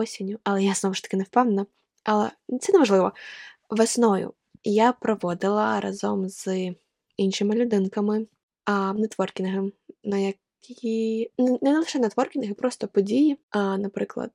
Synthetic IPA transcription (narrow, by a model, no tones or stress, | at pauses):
ɔsʲɪnʲːʊɐlˠɛjaznɔʋʊʃt̪ɐ̥kɪnɛwpɛwnnɐ | ɐlˠɛ̰t̪sɛnɛmɐʒlˠɪʋɔʋɐsnɔjʊ̰ | japɾɔʋɔd̪ɪlˠɐɾɐ̰zɔmz̥ | inʃɪmɪlʲʊd̪ɪnkɐmɪ | nɛt̪ʋɔrkʲɪnʲɐɦɪmnɐjɐkʰʲ | innɛnɛlˠɪʃɛnɐt̪ʋɔrkʲɪnʲɐɦɪpɾɔst̪ɔpɔdʲijinɐpɾɪklˠɐ̰d̪